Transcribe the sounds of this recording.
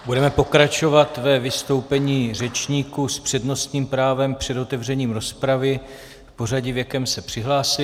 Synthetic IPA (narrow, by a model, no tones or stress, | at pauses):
budɛmɛpo̞kɾat͡ʃo̞vat̪vɛvɪst̪o̞wpɛɲiːr̝ɛt͡ʃɲiːkuspr̝̥ɛdno̞st̪ɲiːmpɾaːvɛmpr̥ɛdo̞t̪ɛvr̝ɛɲiːmɾo̞spɾavɪ | fpo̞raɟɪvjakɛmsɛpr̝̥ɪɦlaːsɪ